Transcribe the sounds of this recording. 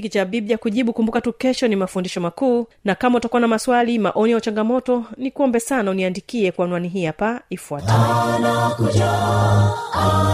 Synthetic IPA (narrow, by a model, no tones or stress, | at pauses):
kit͡ʃaɓiɓjakuʄiɓukumbukatukɛʃɔnimafundiʃɔmakuːnakamautakuanamaswalima̰ʔɔnijaut͡ʃaŋɡamɔtɔnikuɔmbɛsanauniandikiɛkwanwaniɦiapaifuatanakuʄa